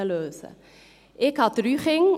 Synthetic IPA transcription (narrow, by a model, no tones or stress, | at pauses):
əløːsə̰ | ʔɛkɦɐtryχɪŋ